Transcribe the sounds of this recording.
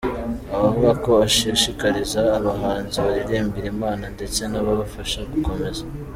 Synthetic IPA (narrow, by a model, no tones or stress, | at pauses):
aβavuɡako̞aʃiʃikaɾizaːβaɦaːnziβaɾiɾeːmbiɾimaːnande̞t͡se̞naβaβafaʃaɡuko̞me̞za